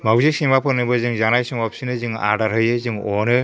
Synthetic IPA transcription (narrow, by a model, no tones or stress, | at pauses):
mawzesiŋmapʰɯnɯbɯzɯŋzanajsɯŋɔpsinɯzɯŋa̰daɾɦɯjɯzɯŋɔnɯ